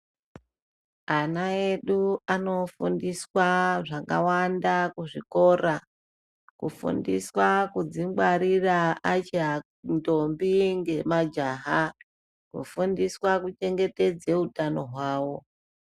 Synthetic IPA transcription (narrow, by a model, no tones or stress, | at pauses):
anae̞ɗuano̞fundiswaʐaka̰wandakuʐiko̞ra | kufṵndiswakud͡zimɡwaɾiraat͡ʃa | ndo̞mbiŋɡe̞mad͡ʒaːɦa | kṵfundiswakut͡ʃe̞ŋɡe̞te̞d͡zeutano̞ɦwaːwo̞